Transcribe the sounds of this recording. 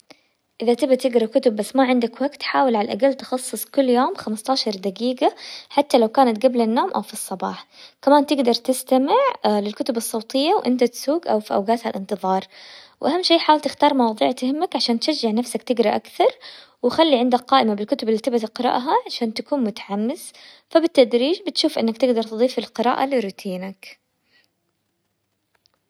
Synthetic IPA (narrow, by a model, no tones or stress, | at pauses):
ʔɪðat̪ɪbat̪ɪɡɾˤɑkʊt̪ʊbːasːmaʕɪnd̪akwaɡt̪ħaːwɪlʕalalʔa̰ɡalːt̪ɪxɑsˤːɨsˤkʊlːjoːmxamast̪aːʃɑɾˤd̪aɡiːɡaħat̪ːalawkaːnat̪ɡablanːoːmʔa̰wfisˤːɑbɑ̰ːħkamaːnt̪ɪɡd̪ɑɾˤt̪ɪst̪amɪʕlɪlkʊt̪ʊbɨsˤːɑwt̪ˤɪjːawʔɪ̰nt̪at̪suːɡʔawfiʔa̰wɡaːt̪halʔɪnt̪ɨðˤɑːɾˤwʔahamːʃeːħaːwɪlt̪ɪxt̪ɑːɾˤmɑwɑːðˤḭːʕt̪hɪmːakʕaʃaːnt̪ʃad͡ʒːɪʕnafsakt̪ɪɡɾɑʔakθɑɾˤ | wxalːiʕɪnd̪akqɑːʔɪmabɪlkʊt̪ʊbɪlːit̪ɪbt̪qɨɾˤɑ̰ʔɦaʕaʃaːnt̪akuːnmʊt̪ḁʕamːɪz | fabɪt̪ːad̪ɾiːd͡ʒbɪt̪ʃuːfʔɪnːakt̪ɪɡd̪ɑɾˤt̪d̪ˤiːfɪlqɨɾa̰ːʔa̰lɪɾuːt̪ʰiːnak